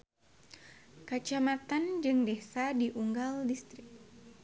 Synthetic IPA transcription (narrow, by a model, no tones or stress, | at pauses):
kat͡ʃamat̪and͡ʒɨŋdesadiʔuŋɡaldist̪ɾɪk̚